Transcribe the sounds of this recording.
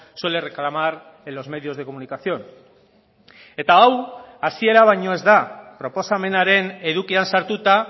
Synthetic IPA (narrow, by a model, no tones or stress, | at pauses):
swe̞le̞re̞klamaɾ | elo̞zme̞ðio̞zðeko̞munikaθio̞n | e̞t̪aːawasie̞ɾaβ̞ajɲo̞e̞zd̪apɾo̞po̞same̞naɾe̞ne̞ðukiansaɾt̪ut̪a